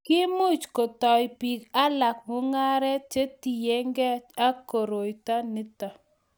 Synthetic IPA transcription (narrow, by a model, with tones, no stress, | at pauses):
kɪ˦mu˦t͡ʃko˨tɔ˨jpi˨ka˦la˨kmo˦ŋa˦ɾɛ˦t͡ʃe˦ti˨je˦ŋɡɛ˦a˦ko˨ɾo˨jta˦nɪ˦ta˨